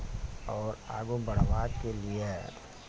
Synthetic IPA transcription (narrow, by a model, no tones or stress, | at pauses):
ɔːɾa̰ːɡobɐɽ̤ʋaːd̪kelie